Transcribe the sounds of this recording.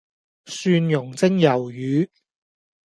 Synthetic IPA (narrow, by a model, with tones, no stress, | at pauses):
syː˧njʊ˨˩ŋt͡sɪ˥ŋjɐ˨˩wjyː˨˧